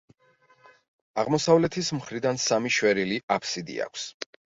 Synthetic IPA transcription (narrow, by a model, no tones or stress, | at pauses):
aʁmɔsavlɛt̪ʰismχɾid̪ansamiʃwɛɾiliʔapʰsid̪ḭa̰kʷʰs